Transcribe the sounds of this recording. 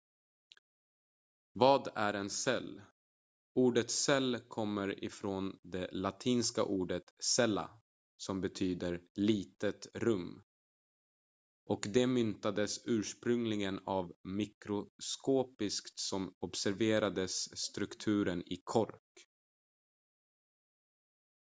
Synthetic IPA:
vɑːd̪æɾɛnsɛlː | uːɖət̪sɛlːkʰɔmːəɾɪ̰fɾoːnd̪ɛlat̪ʰiːnska̰ʔuːɖət̪sɛlːa̰ | sɔmbɛt̪ʰyːd̪əɾliːt̪ət̪ɾɵmː | ʔɔkd̪ɛmʏnt̪ad̪əsʉ̟ːʂpɾɵŋlɪɡənavmɪkɾʊskoːpɪskt̪sɔmɔbsæɾveːɾad̪əsːt̪ɾɵkt̪ʰʉ̟ːɾənɪkʰɔɾk

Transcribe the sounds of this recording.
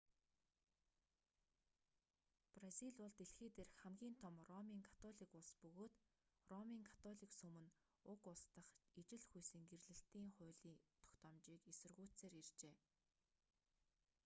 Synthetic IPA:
prasiɮʊɮt̪eɬxeːt̪eːrxχæmɡʲiːnt̪ʰɔmrɔmiːŋkʰḁt̪ʰɔɮiːkʊɮspɵɣoːt̪ | rɔmiːŋkʰḁt̪ʰɔɮiːksɵmɘ̆n | ʊkʊɮst̪ə̆χit͡ɕɪ̆ɮxujsɘ̆ŋɡerɮɘ̆ɬt̪iːŋχʊ̟ːɮiːt̪ʰɔ̥kt̪ɔːmt͡ɕiːkesɵ̆rɣuːt͡seːɾirt͡ɕeː

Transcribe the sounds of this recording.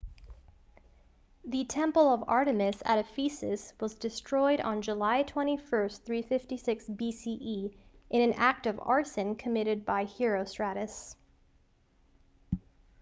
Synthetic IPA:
ðɨtʰɛ̃mpl̩ˠʌvɑ̰ɹɾɨmɨsæ̰ɾɨfisɨ̰swʌzdɨstɹ̥ɔɪɾn̩d͡ʒəlaɪtʰw̥ɛ̃ɾ̃ifɜ˞sθɹifɪftisɪksbisiʔiʔɨ̃ñɨ̃næk̚tʌvɑ̰ɹsɨ̃nkʰɨmɪɾɨd̚baɪhɪɹoʊstɹ̥æɾɨs

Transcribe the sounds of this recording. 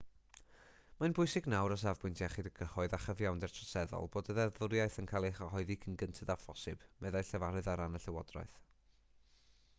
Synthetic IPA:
manbʊɨsɪɡnawɾɔs̬avbʊntʰjaχidəɡəhɔɨðaχəvjawndɛrtʰrɔsɛðɔ̰lˠboːdəðɛðʊɾjaɨθənkʰaːlˠɛχɔɦɔɨðikʰənɡəntʰədafɔsɨb̥mɛðajɬɛvaɾɨðaɾanəɬɛwɔdrɔ̰ɨθ

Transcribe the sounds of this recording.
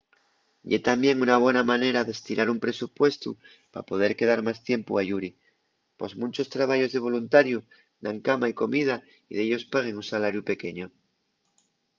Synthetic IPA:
ʎe̞t̪ambje̞ŋunaβ̞we̞namãne̞ɾaðe̞st̪iɾʔaɾumpɾe̞supwe̞st̪ṵ | pa̰po̞ð̞e̞ɾkeðaɾmast̪je̞mpuaʝuɾi | po̞smunt͡ʃo̞st̪ɾaβ̞aʝo̞zðe̞β̞o̞lunt̪aɾju | d̪aŋkamaiko̞mið̞a | iðeʎo̞spaɣ̞e̞ŋunsalaɾjupe̞ke̞ɲo

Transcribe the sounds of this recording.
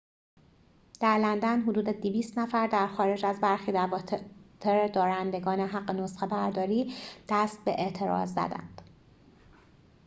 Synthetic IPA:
d̪̥æɾlænd̪ænɦod̪uːd̪ed̪iviːst̪næfæɾd̪æɾxɒːɾe̞d͡ʒæzbæɾxiːd̪ævɒt̪ʰeɾed̪ɒːɾænd̪e̞ɡɒːneɦæɢːenosxebæɾd̪ɒːɾiːd̪̥æst̪̚be̞ʔeʔt̪ʰe̞ɾɒ̰ːzːæ̰d̪æ̰nd̪̥

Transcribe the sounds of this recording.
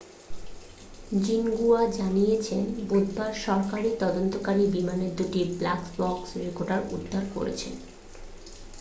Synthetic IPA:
d͡ʑinɡuad͡ʑanijet͡ɕʰenbod̪ʱbaɾʃɔɾkaɾit̪ɔd̪ont̪okaɾibimaneɾd̪uʈiblakbɔksɾekoɾʈaɾṵd̪ʱːaɾko̰ɾḛt͡ɕʰḛn

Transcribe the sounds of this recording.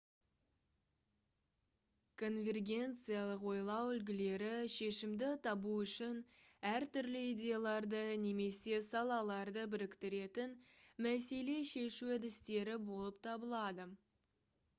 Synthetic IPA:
kʰo̞nvʲe̞rɡʲe̞nt̪sɨjalˠəqwo̞jlˠɑwʏlɡʲɪle̞ɾɪʃe̞ʃɪmd̪ɪt̪ʰɑbuʏʃɪnæɾt̪ʏɾlɪidʲe̞jalˠɑɾd̪əne̞me̞se̞sɑlˠɑlˠɑɾd̪əbɪɾɪkt̪ɪɾe̞t̪ɪnmæse̞le̞ʃe̞ʃuæd̪ɪst̪e̞ɾɪbo̞lˠəp̚t̪ʰɑbəlˠɑd̪ə

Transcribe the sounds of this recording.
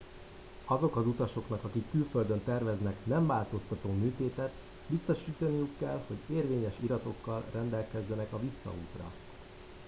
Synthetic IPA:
ɒzo̞kɒzut̪ɒʃo̞kn̪ɒkɒkikːylføld̪ønt̪ɛrvɛznɛknɛɱvaːlt̪o̞st̪ɒt̪oːmyːt̪eːt̪ɛt̪ | bist̪o̞ʃiːt̪ɒnijukːɛlho̞ɟeːrveːɲɛʃiɾɒt̪o̞kːɒlrɛnd̪ɛlkɛzːɛnɛkɒvisːɒ̰uːt̪rɒ̰

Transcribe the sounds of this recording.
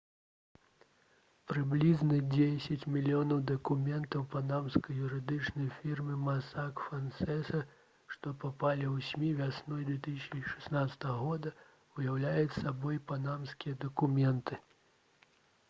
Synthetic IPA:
pɾɨblʲiznɐd͡zʲesʲɐt͡sʲmʲilʲijɔnɐwd̪ɐkumʲɛnt̪ɐwpanamskɐjjuɾɨd̪ɨt͡ʂnɐjfʲirmɨmasakfansɛsɐ | ʂt̪ɔpapalʲiwsʲmʲivʲasnɔjd̪vʲɛt̪ɨsʲsʲɐni̥ʂɛ̥snat̪sɐ̥t̪ɐɣɐɣɔd̪ɐ | ujawlʲajut͡sʲsabɔjpanamskʲijɐd̪ɐkumʲɛnt̪ɨ

